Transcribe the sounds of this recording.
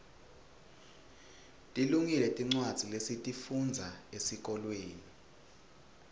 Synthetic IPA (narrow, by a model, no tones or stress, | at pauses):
tʼiluŋilɛtʼiŋ͡ǀwad̥z̥ʱilesitʼifund͡zʱaesik̬ʼɔlweːni